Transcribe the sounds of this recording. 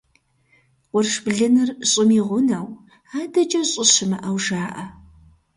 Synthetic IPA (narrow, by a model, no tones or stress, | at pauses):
qʷʊrʂbɮɨnɨrɕʼɪmiːʁʷʊnɐw | aːdɐt͡ʃʼɐɕʼɪɕɪmɨʔɐwʒaːʔɐ